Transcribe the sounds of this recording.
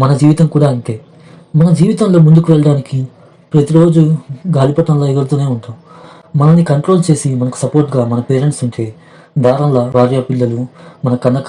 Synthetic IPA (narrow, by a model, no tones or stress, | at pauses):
mɐnɐd͡ʒiːʋit̪ɐŋkuːɽaːɐɳʈe̞ː | mɐnɐd͡ʒiːʋit̪ɐnlo̞ːmund̪ukuʋɛɭɐɽaːniki | pɾɐt̪iɾo̞ːd͡ʒuɡaːlipɐʈɐnlɐːiɡɐɾt̪uːne̞ːuɳʈ̪am | mɐnɐnːikɐɳʈɾoːlt͡ʃe̞ːsimɐnɐku̥sɐpo̞ːɾʈɡaːmɐnɐpeːɾeɳʈsuɲt͡ʃe̞ː | d̪ʱaːɾɐnlɐʋaːɾjaːpilːɐlumɐnɐkɐnd̪ɐ